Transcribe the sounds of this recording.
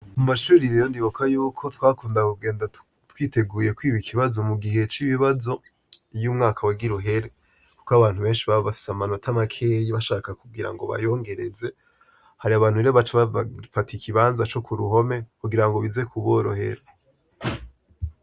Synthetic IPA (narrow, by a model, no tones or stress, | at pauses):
umaʃuːɾijejondiβokʰajuːkʰo̞twaːkuːndakuɡe̞ːnda | twiːte̞ɡuːje̞kwiːβikʰiβazo̞muɡihe̞t͡ʃiβiβazo̞ | jumŋaːkʰawaɡiɾoɦe̞ɾe | ku̥koaβaːn̥huβe̞ːnʃiβaβafi̥samano̞tʰamakʰeːjiβaʃaːkakuɡiɾa̰ŋɡo̞̰βa̰jo̞ːŋɡe̞ɾe̞ze̞ | haɾiaβaːn̥hueɾeβat͡ʃeβafatikʰiβaːnzat͡ʃo̞kʰuɾuɦo̞me̞kuɡiɾaŋɡo̞βize̞kʰuβoɾohe̞̰ɾe